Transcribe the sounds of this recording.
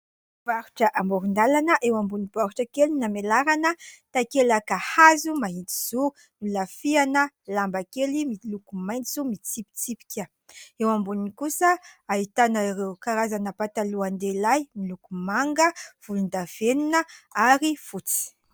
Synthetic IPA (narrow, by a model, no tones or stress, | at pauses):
b̥aɾu̥ʈ͡ʂəʔamoɾund̪alanəʔewambunib̥aɾuʈ͡ʂakelinamelaɾanət̪akelakahazumaɦint̪i̥z̥u | nulafianə | lambakelimilukumajnt͡sumit͡sipi̥t͡sipi̥kʲə | ewambuninikusəaɦit̪anaɾewkaɾazanəpat̪aluand̪elajmilukumaŋɡəv̥ulund̪av̥eninəaɾifut͡si̥